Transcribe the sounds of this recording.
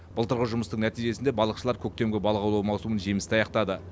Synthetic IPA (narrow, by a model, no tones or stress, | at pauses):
b̥ʊlˠt̪ʰəɾʁəʒʊməst̪əŋnæt̪ijʒe̞sɪnd̪ebɑlˠəqʃəlˠɑɾkʲʰɵk̚ʲt̪e̞mɡʲɪbɑlˠʁɑwlˠɑwmɑwsumənʒe̞mɪst̪ɑjɑqt̪ɑd̪ə